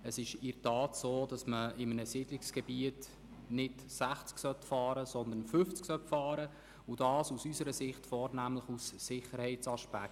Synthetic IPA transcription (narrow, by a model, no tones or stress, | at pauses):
əsɪʃɪɾtɑːtsoːd̥ɑsməɪmənəsɪd̥lɪksɡ̥ɛbiət | nɪdsæχt͡sksœtfɑːɾəsɔnd̪ənfʏft͡sksœtfɑːɾə | ʊd̥ɑːsusysəɾəsɪχtfɔːɾnæmləχusːɪχəɾhɛɪt͡sɑʃpæk